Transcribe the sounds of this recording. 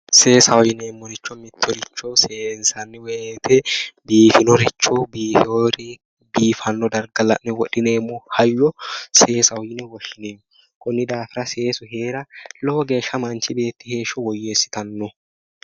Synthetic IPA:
se̞ːsɐwɔjɪneːmːɔɾɪt͡ʃːɔmɪt̪ːɔɾɪt͡ʃːɔseːnsɐnːɪwet̪ɛbiːfɪnɔɾɪt͡ʃːɔbiːfɪoɾɪ | biːfɐnːɔd̪ɐɾɡɐlɐ̰ʔːɛwɔᶑɪneːmːɔhɐjːɔse̞ːsɐwɔjɪnɛwɔʃːɪneː | kʼɔnːɪd̪aːfɪɾɐse̞ːsʊɦe̞ːɾɐlɔwɔɡe̞ːʃɐmɐnt͡ʃɪbe̞ːt̪ːɪhe̞ːʃɔwɔjːeːsːɪ̥t̪ɐnːɔ

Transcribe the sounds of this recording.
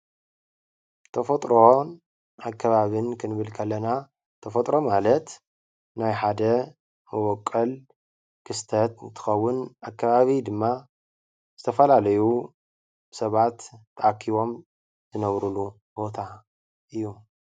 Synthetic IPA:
t̪ʰɐfɐt̪ʼɾon | akːɐβaβɨnkʰɨnɨβɨlkʰɐlːɐna | t̪ʰɐfɐt̪ʼɾo̞malɐt̪ | najħad̪ɐ | mɨwɔkʼːɐl | kʰɨst̪ʰɐt̪t̪ʰɨ̥xɐwːʊnakʰːaβaβid̪ɨmːa | zɨt̪ʰɐfɐlalɐju | sɐβat̪t̪ːʰɐakʰːiβo̞m | z̥ɨnɐβɾulu | bo̞t̪ʰa | ʔɨjːu

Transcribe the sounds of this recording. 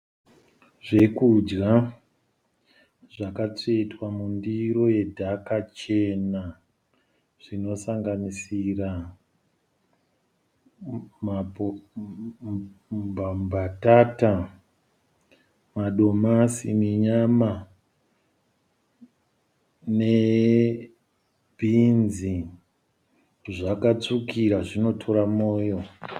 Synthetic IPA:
ʐe̞kud͡ʒɡa | ʐakat͡ʂeitwamundiɾo̞je̞dʱakat͡ʃe̞na | ʐ̥ino̞saŋɡanisira | m | bambʱatata | maɗo̞masḭmiɲama | ne | bʱinzi | ʐakat͡sukiɾaʐino̞tʰo̞ɾamoːjo̞

